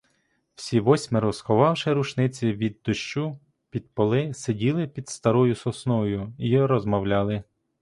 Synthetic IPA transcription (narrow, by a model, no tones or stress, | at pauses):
wsʲiʋɔsʲmɪɾɔzxɔʋɑwʃɪɾut͡ʃnɪt͡sʲiʋʲid̪ːʊʃt͡ʃu | pʲid̪̚pɔlˠɪsedʲilˠɪpʲid̪st̪ɐɾɔjʊsɔsnɔjʊiɾɔzmɔwlʲɑlˠɪ